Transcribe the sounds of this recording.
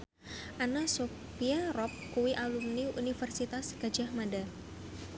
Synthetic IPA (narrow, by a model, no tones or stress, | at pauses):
ʔanaso | piaɾɔp̚kuwiʔalumniṵnifərsit̪asɡ̥ad͡ʒahmada